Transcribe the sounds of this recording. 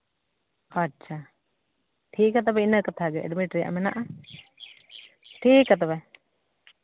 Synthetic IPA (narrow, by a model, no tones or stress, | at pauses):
atːʃʰa | ʈʰiːkat̪̬abɛinəkat̪ʰaɡɛɛ̰ɖmiʈɾija̰ʔmɛnaʔa | ʈʰiːkat̪abɛ